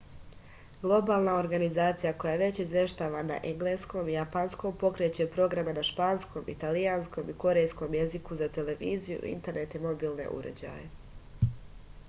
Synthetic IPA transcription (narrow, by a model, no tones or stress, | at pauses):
ɡ̥lˠo̞baːlˠnao̞ɾɡanizaːt̪sijako̞jaʋe̞t͡ɕizʋje̞ʃt̪aːʋana̰ʔeŋɡlˠesko̞mijapansko̞mpo̞kɾe̞t͡ɕe̞pɾo̞ɡɾamenaʃpaːnsko̞mʔḭt̪alijansko̞miko̞ɾe̞jsko̞mje̞zikuzat̪e̞le̞ʋiːzijṵḭnt̪e̞ɾne̞t̪imo̞biːlˠne̞̰ʔṵɾḛd͡ʑa̰je